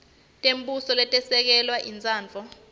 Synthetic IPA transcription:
tʼembusɔlɛtʼɛsɛk̬ɛlwaʔint͡sʼaːnt͡fɔ

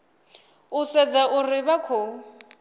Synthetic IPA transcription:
ʊsɛd͡zaʔʊrɪbakʰo

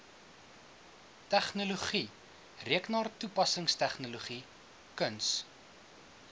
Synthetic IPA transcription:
tæχnuluχi | riəknɑːrtupɐsəŋstæχnuluχi | kəns

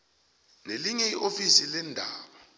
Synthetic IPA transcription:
neliɲɛiʔofisilɛndʱaːɓa

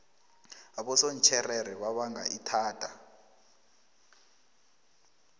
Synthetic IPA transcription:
aɓɔson̩t͡ʃʰɛrɛɾɛɓaɓaŋɡʱa̰ʔitʰaːtʼa

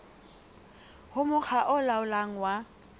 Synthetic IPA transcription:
hʊmʊk͡xʰaʔʊlaʊlaŋ̩wa

